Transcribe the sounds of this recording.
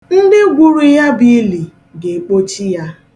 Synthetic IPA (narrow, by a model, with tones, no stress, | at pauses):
n̩˦dɪ˦ɡʷu˨ɾu˨ja˦bi˦li˨ | ɡe˨k͡po˦t͡ʃi˦ja˦